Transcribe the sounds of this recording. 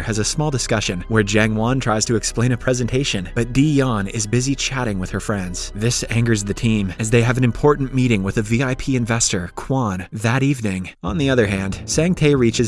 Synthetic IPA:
ɨzɨsmɔlˠdɨskʌʃɨ̃nwə˞d͡ʒæ̃ŋwɑ̃ntʰɹ̥aɪz̥tʰɨɨksplẽɪ̃ñɨpʰɹ̥ɛzɨ̃ntʰeɪʃɨ̃nb̥ʌt̚d̥ijɑ̃nɪzbɪzit͡ʃʰæɾɪ̃ŋwɨð̥ə˞fɹɛ̃ndz̥ðɪsæ̃ŋɡə˞zðɨtʰĩmɨzðeɪɨvɨ̃nɨ̃mpʰɔɹʔn̩miɾɪ̃ŋwɨðɨviaɪpʰiɨ̃ɱvɛstə˞kʰw̥ɑ̃nðɨɾivnɪ̃ŋ | ə̃nðiʌðə˞ɦæ̃nd̥sæ̃ŋtʰeɪɹit͡ʃɨz

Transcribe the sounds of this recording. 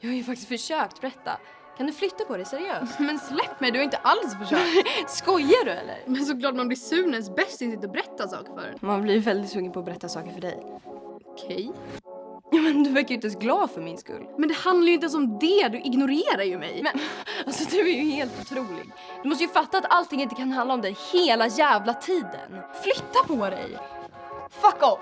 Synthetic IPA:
jɑːhajɵfakt̪ɪst̪fœʂøːk̚t̪̚bɛɾɛt̪ːa̰ | kʰand̪ɵflʏt̪ːapʰɔd̪ɛjsɛɾɪøːsst̪mɛnslɛpːmɛjd̪ɵhaɾɪnt̪əʔalsfœʂɛskɔjːaɖɵɛ̰lːə̰ɾmɛns̬ɔklɑːʈ̚manblɪsʉ̟ːnɛns̬bɛst̪ɪnsɪt̪ɔbɛɾɛt̪ːasɑ̰ːkəɾfœ̰ɾ̰nmanblɪjvɛld̪ɪt̪fɵŋːənpʰɔːbɛɾɛt̪ːasɑːkəɾfœɖɛ̰jɔkʰɛj | jɑmɛnd̪ɵvæɾkajʏɪt̪ɛsɡlɑːd̪fœɾmɪnskɵ̰lːmɛnd̪ɛhand̪laɾjʏɪnɛnsɔmd̪ɛd̪ɵʔɪɡnʊɾeːɾaɾjɵmɛ̰jmɛalsɔd̪ɵæɾjɵheːlt̪ʊt̪ʰɾuːlɪ̰ɡ | d̪̥ɵmɔst̪əjʏfat̪ːaːt̪alt̪ʰɪŋːɪnt̪əkʰanɦand̪aɔmd̪ɛheːlajæːvlat̪ʰiːd̪ə̰nflʏt̪ːapʰɔɾɛ̰j | fakɔ

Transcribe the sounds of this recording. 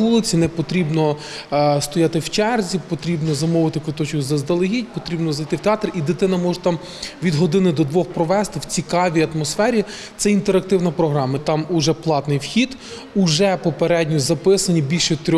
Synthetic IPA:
ulˠɪt͡sʲinɛpɔt̪ɾʲibnɔ | st̪ɔjɑt̪ɪwt͡ʃɛrzʲipɔt̪ɾʲibnɔzɐmɔʋɪt̪ɪkʊt̪ɔt͡ʃkʊzɐzd̪ɐlˠɪɦʲid̚ʲpɔt̪ɾʲibnɔzɐjt̪ɪwt̪eɑt̪rʲid̪ɪt̪ɪnɐmɔʒɛt̪ɑm | ʋʲid̪ɦɔd̪ɪnɪd̪ɔd̪ʋɔxpɾɔʋɛst̪ɪwt͡sʲikɑʋʲiɐt̪mɔsfɛɾʲi | t̪sɛint̪eɾɐk̚t̪ɪwnɐpɾɔɦɾɑmɐt̪ɑmʊʒɛplˠɑt̪nɪjwxʲid̪ | ʊʒɛpɔpeɾɛdʲnʲʊzɐpɪsɐnʲibʲilʲʃɛt̪ɾʲɔ

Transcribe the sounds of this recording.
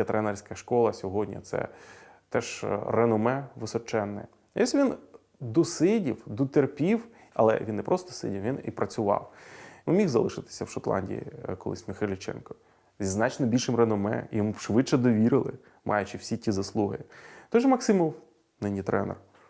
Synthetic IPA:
ɛt̪ɾɛnɛrʲsʲkɐʃkɔlˠɐsʲɔɦɔdʲnʲḭt̪sɛ̰ | t̪ɛʃrenɔmɛʋɪsɔt͡ʃɛnːɛ | ɔsʲʋʲin | d̪ɔsɪdʲiwd̪ɔt̪erpʲiw | ɐ̰lˠɛ̰ʋʲinːɛpɾʔɔst̪ɔ̥sɪ̰dʲiwʋʲinḭpɾʔɐt͡sʲʊʋɑ̰wnmʲixzɐ̰lˠɪʃɪt̪ɪ̥sʲɐwʃɔt̪lˠɑ̰nʲdʲḭḭkɔlˠɪ̰sʲmʲɪxajlʲɪt͡ʃɛ̰nkɔ̥ | zʲiznɑt͡ʃnɔbʲilʲʃɪmrenɔmɛ̰ijɔmuʃʋɪt͡ʃːɛd̪ɔʋʲiɾɪlˠɪ̰ | mʔɑ̰jʊt͡ʃɪwsʲitʲizɐslˠuɦɪ̰t̪ɔʒɛmɐksɪmɔw | nɪnʲijt̪ɾɛnɛ̰r

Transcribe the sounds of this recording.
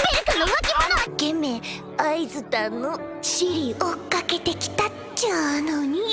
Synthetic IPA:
mekɯnomakʲimanaɡe̞me | aizɨt̪anːo | ɕiɾʲiokake̞t̪e̞kʲi̥t̪a | t͡ɕanoɲ̟i

